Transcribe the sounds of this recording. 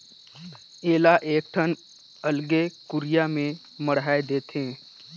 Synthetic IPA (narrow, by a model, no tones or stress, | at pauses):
eːlaʔeːk̚ʈʰən | əlɡekʊɾɪjamẽ | məɽɦaːed̪eːt̪ẽː